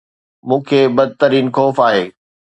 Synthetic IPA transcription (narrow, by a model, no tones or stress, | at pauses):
mũːkʰeːbɐd̪̚ʱt̪əɾiːnxɔːfaːɦeː